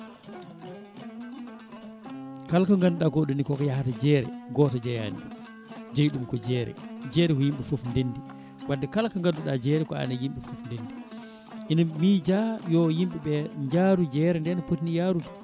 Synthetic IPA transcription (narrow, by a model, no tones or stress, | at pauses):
kalkaŋɡanːuɗaɡoɗunikɔkɔjahatad͡ʒɛɾɛɡɔːtad͡ʒɛja̰nḭ | d͡ʒajɗumkɔd͡ʒɛːɾɛ̰d͡ʒɛːɾɛkɔjimɓɛfofndendi | wadːɛkalkaŋɡadːuɗad͡ʒɛɾɛkɔa̰najimɓɛfofndendi | ʔinamid͡ʒajɔjimɓɛɓɛɲd͡ʒaɾud͡ʒɛɾɛndɛnapotnijaɾud